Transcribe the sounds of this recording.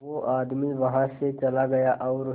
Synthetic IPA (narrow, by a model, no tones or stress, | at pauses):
ʋoʔaːd̪miʋɐɦãset͡ʃɐlaɡɐjaʔɔʊɾ